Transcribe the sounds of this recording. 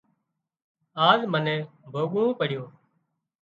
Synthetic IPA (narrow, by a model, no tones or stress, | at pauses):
aːzmənẽːbʱoːɠuũːpəɽjoː